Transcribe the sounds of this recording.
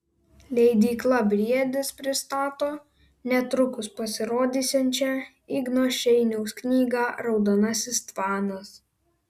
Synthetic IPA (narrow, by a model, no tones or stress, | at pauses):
lʲɛɪd̪ʲiːklˠɐbʲɾʲiɛd̪ʲɪspʲɾʲɪst̪ɑːt̪oː | nʲɛt̪ɾʊkʊspɐsʲɪɾoːd̪ʲiːsʲɛnʲt͡ʃʲæ | iɡnoːʃʲɛɪnʲɛʊsknʲiːɡɑːɾɒʊd̪onɐsʲɪst̪ʋɑːnɐs